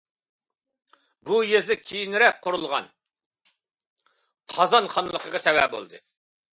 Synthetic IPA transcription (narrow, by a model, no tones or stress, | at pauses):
bujezɪkʲʰijinɾɛk̚ʲqʰʊɾulˠʁɑ̰n | qʰɑzɑnχɑnɨlˠəqʰəʁɑt̪ʰɛwɛbo̰lˠd̪ɨ